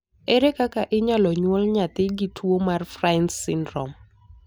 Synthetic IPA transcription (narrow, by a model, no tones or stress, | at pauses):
eɾekakaʔɪɲalɔɲwɔlɲat̪ɪɡitʰwomarfransɪndɾɔ̰m